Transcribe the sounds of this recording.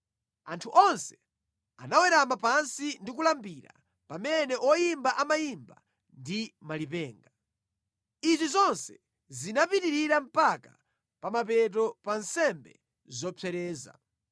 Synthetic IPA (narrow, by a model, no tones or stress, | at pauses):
antʰuʔɔnsɛ | anawɛɾamapansindik̬ulambiɾa̰ | pamɛnɛʔɔjimbaʔamajimba̰ | ndimalipɛːŋɡa | izizɔnsɛ | zinapitiɾiɾam̩paka | pamap̬ɛt̬ɔpansɛmbɛ̰ | zɔpʰɛɾɛːza̰